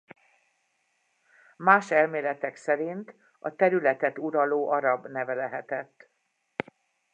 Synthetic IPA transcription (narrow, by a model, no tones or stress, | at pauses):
maːʃɛlmeːlɛt̪ɛksɛɾint̪ | ɒ̰t̪ɛɾylɛt̪ɛt̪uɾɒloːʔɒɾɒbnɛvɛlɛɦɛt̪ɛt̪ː